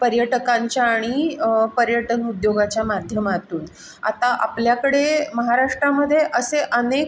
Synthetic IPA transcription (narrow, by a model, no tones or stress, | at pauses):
pəɾjəʈkãɲt͡ɕjaːɽ̃ipəɾjəʈənud̪joɡat͡ɕjamad̪ʱjəmat̪uːn | a̰t̪aʔa̰pljakəɽeməɦaɾaʂʈɾaməd̪ʱːjeʔəseʔənek̚